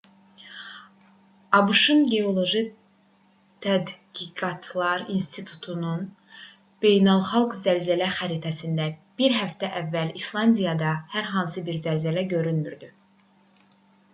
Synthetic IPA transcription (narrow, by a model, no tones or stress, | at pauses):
ɑbɯʃɯnɟe̞o̞lˠo̞ʒi | t̪ʰæd̪ɡ̥iɡɑt̪ʰlˠɑɾinst̪ʰit̪ʰu̥t̪ʰunun | b̥e̞jnɑlˠχɑlˠɡzælzælæxæɾit̪ʰæsind̪æb̥iɾɦæft̪ʰæʔævːælislˠɑnd̪ijɑd̪ɑhæɾɦɑnsɯbiɾzælzælæɟø̞ɾynmyɾd̪y